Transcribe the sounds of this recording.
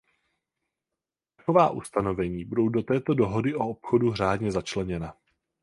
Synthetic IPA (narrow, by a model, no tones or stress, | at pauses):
t̪akovaːʔust̪ano̞vɛɲiːbudo̞wdo̞t̪ɛːt̪o̞do̞ɦo̞dɪʔo̞opxo̞duɦr̝aːdɲɛzat͡ʃlɛɲɛna